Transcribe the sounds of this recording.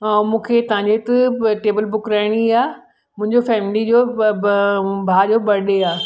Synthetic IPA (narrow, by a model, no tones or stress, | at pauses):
amũːkʰet̪ɐɦãɲd͡ʑet̪ɐʈeːbəlbʊkɾaːɪɽ̃iaː | mʊ̃ɦɪ̃ɲd͡ʑofɛːmɪlid͡ʑoː | bʱaːd͡ʑoːɓɐɗeaː